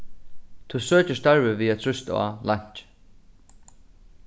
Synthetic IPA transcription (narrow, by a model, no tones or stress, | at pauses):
t̪ʰusøːt͡ʃɪst̪aɹvɪviːat̪ʰɾʏst̪a̰ːlaɲ̥t͡ʃ